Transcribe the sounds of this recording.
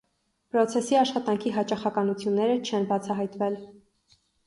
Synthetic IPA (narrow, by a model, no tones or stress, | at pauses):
pɾɔt͡sʰɛsiɑʃχɑt̪ɑŋkʰiɦɑt͡ʃɑχɑkɑnut͡sʰjunːɛɾət͡ʃʰɛnbɑt͡sʰɑɦɑjt̪vɛl